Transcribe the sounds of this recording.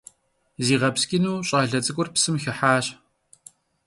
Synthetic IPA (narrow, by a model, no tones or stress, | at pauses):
ziːʁɐpskʲʼɪnuːɕʼɑːɮɐt͡sʼɨkʷʼʊrpsɨmxɪħaːɕ